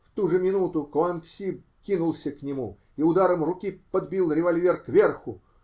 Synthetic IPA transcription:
ft̪uʐɨmʲɪnut̪ʊklˠanksʲip | kʲinʊlˠsʲəknʲɪmu | iʊd̪aɾəmrʊkʲipəd̪bʲilˠɾʲɪvɐlʲvʲerkvʲe̞rxʊ

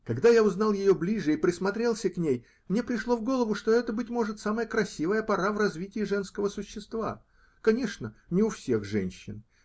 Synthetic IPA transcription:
kɐɡd̪ajaʊznalˠjɪjoblʲiʐɨipɾʲɪsmɐt̪ɾʲe̞lˠsʲəknʲej | mnʲe̞pɾʲɪʂlˠo̞vɡo̞lˠəvʊʂt̪o̞ɛt̪əbɨtʲmo̞ʐɨt̪saməjəkɾɐsʲivəjəpɐɾavrɐzvʲitʲɪɪʐɛn̪skəvəsʊɕːɪst̪va̰ | kɐnʲe̞ʂnənʲɪʊfsʲe̞xʐɛ̰nʲɕːɪ̰n

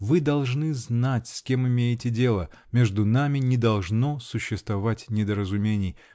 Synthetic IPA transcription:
vɨd̪ɐlˠʐnɨznatʲsʲkʲe̞mɪmʲejɪtʲɪdʲe̞lˠə | mʲe̞ʐd̪ʊnamʲɪnʲɪd̪ɐlˠʐnosʊɕːɪst̪vɐvatʲnʲɪd̪əɾəzʊmʲenʲɪj

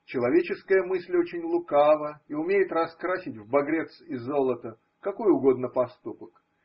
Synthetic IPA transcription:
t͡ɕɪlˠɐvʲet͡ɕɪskəjəmɨsʲlʲot͡ɕɪnʲlˠʊkavəiʊmʲejɪt̪rɐskɾasʲɪtʲvbɐɡɾʲe̞t̪sɪzːo̞lˠət̪ə | kɐko̞jʊɡo̞d̪nəpɐst̪upək

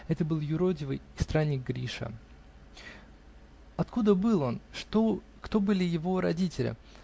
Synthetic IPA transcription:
ɛt̪əbɨlˠjʊɾo̞dʲɪvɨjɪst̪ɾanʲːɪk̚ɡɾʲiʂə̰ | ɐt̪kud̪əbɨlˠo̞nʂt̪o | kt̪o̞bɨlʲɪjɪvo̞ɾɐdʲitʲɪlʲɪ̰

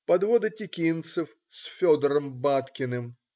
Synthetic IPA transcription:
pɐd̪vod̪ɐtʲɪkʲint̪sɨf | sʲfʲɔd̪əɾəmbat̪kʲɪnɨm

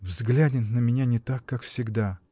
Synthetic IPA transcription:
vzɡlʲædʲɪnt̪nəmʲɪnʲanʲɪt̪akːakfsʲɪɡd̪a

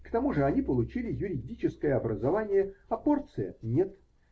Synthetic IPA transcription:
kt̪ɐmuʐɨɐnʲipəlˠʊt͡ɕilʲɪjʊɾʲɪdʲit͡ɕɪskəjəɐbɾəzɐvanʲɪjəɐpo̞rt̪sɨjə̰nʲe̞t̪

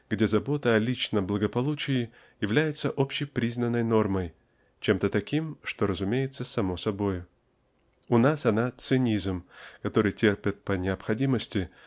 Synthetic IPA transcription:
ɡ̥dʲe̞zɐbo̞t̪əɐlʲit͡ɕnəblˠəɡəpɐlˠut͡ɕɪɪ | jɪvlʲæjɪt̪səʔo̞pɕːɪjpɾʲiznənːəjno̞rməj | t͡ɕe̞mt̪ət̪ɐkʲimʂt̪o̞ɾəzʊmʲejɪt̪səsɐmo̞sɐbojʊ | ʊnasɐnat̪sɨnʲizmkɐt̪o̞ɾɨjtʲerpʲɪt̪̚pənʲɪɐpxɐdʲiməsʲtʲɪ

